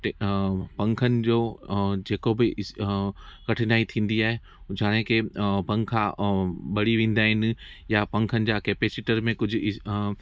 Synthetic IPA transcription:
ʈpɐ̃ŋkʰənɪ̆d͡ʑoːd͡ʑeːkobɪʔɪ | kɐʈʰɪnaːit̪ʰĩːn̆d̪iaːɦe | d͡ʑʱaːnẽkepɐ̃ŋkʰabɐɽiʋẽːn̆d̪aːɦɪnɪ̆japɐ̃ŋkʰənɪ̆d͡ʑakeːpeːsɪʈəɾmẽkʊd͡ʑʱɪ

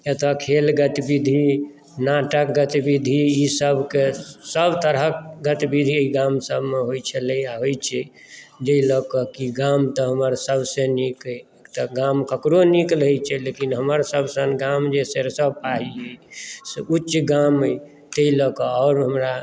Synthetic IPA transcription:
et̪akʰelɡət̪ibid̪ʱi | naʈəkɡət̪ibid̪ʱiisəbʱkesəbʱt̪əɾəkɡət̪ibid̪ʱiəiɡamsəbʱmeɦojt͡ʃʰələjaɦojt͡ʃʰɛ | d͡ʒəilɔkɔkiɡamt̪ɔɦəməɾsəbʱsẽnikəjekt̪aɡamkəkɾoniklɦəjt͡ʃʰɛlekinɦəməɾsəbsənɡamd͡ʒeseɾsəb̚paɦiəseut͡ʃːʃɡaməj | t̪əilɔkɔːʊɾɦəmɾa

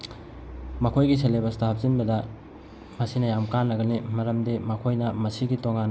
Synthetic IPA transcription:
mɐkʰojɡis̬elebɐstɐhɐp̚zinbɐdɐ | mɐsinɐjamkanːɐɡɐnimɐɾɐmdimɐkʰojnɐmɐsiɡitoŋan

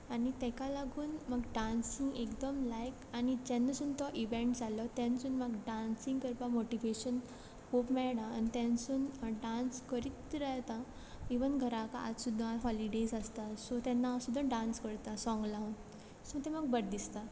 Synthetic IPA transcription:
anit̪ɛkalaɡuːnməɡɖãnsiŋɡekd̪əmlajkanid͡ʑɛnːasunt̪ɔʔiʋẽɳʈd͡zalɔt̪ɛ̃nsuːnməɡɖãnsiŋɡkəɾpamoʈiʋeɕən | popmɛɭɽaːnit̪ɛ̃nsuːnɖãnskəɾit̪ɾaɦt̪a | eʋənɡʱəɾãka̰ʔa̰d͡zsud̪ʱːaɦɔliɖesəst̪asɔt̪ɛnːasud̪ʱːãɖãnskəɾt̪asɔ̃ŋɡlan | smət̪ɛməɡ̚bəɽd̪ist̪a

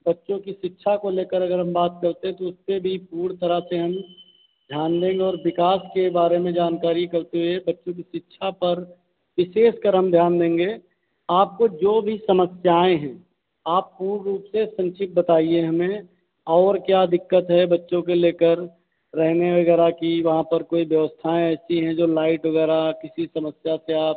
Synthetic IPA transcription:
bɐtːʃõkiʃɪtːʃʰakoleːkəɾɐɡəɾɦɐ̃mbaːt̪kɐɾt̪ẽɦɛ̃t̪oʊspebʱipuːɽt̪əɾəseɦɐm | d̪ʱjaːnd̪ẽːŋɡeɔːɾʋɪkaːskebaːɾemẽd͡ʒaːnkaːɾikɐɾt̪eɦuɛbɐtːʃõkiʃɪtːʃʰapɐɾ | ʋɪʃeːʃkəɾɦɐmd̪ʱjaːnd̪ẽːŋ̆ɡeː | aːp̚kod͡ʒoːbʱisɐməsjaːẽɦɛ̃ | aːpːuːɾːuːpsesə̃nʃʰɪk̪̚bət̪aːieɦɐmẽ | ɔːɾkjaːd̪ʱɪkːət̪ɦɛbɐtːʃõk̬eleːkəɾː | ɛɦneʋɐɡɛːɾakiʋɐɦãpɐɾkoːiʋjəʋəst̪ʰaẽɛːsiɦɛ̃d͡ʒoːlaːɪʈʋɐɡɛːɾakɪsisɐməsjaseaːp̚

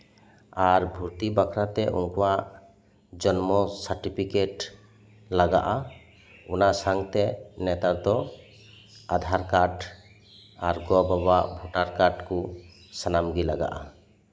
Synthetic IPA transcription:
aɾbʱuɾt̪ibakʰɾat̪ɛʔṵnkɔwaʔ | d͡ʒɔnmɔsaɾʈipʰikeʈ | laɡa̰ʔa | unasaŋt̪ɛnɛt̪ad̪ɔ | ad̪ʱaɾkaɖ | aɾɡɔbabaʔbʱɔʈaɾkaɖku | sanamɡilaɡa̰ʔa

